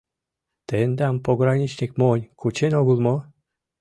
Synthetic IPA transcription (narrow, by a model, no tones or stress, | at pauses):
t̪end̪ampoɡɾanʲit͡ɕnʲik̚monʲkʰut͡ɕenoɡulˠmo